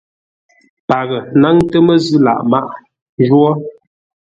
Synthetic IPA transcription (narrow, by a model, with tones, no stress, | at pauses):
pa˨ɣə˨na˦ŋtə˦mə˦zɨ˦la̰˨ʔma˦ʔ | ʒwɔ˦